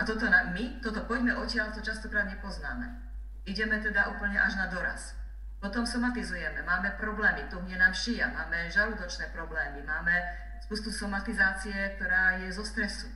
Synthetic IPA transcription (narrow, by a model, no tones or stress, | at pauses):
at̪ɔt̪ɔnaːmmit̪ɔt̪ɔpɔɟmɛʔɔcɪaʎt̪ɔt͡ʃast̪ɔkɾaːd̪ɲɛpɔzna̰ːmɛ | iɟɛmɛt̪ɛd̪aʔuːpl̩ɲɛʔaʒnad̪ɔɾa̰s | pɔt̪ɔmsɔmat̪izujɛmɛmaːmɛpɾɔblɛːmit̪ɔɦɲɛnaːmʃija̰maːmɛʒalud̪ɔt͡ʃnɛːpɾɔblɛːmimaːmɛ | spuːst̪usɔmat̪izaːt͡sijɛk̚t̪ɔɾaːjɛzɔst̪ɾɛsu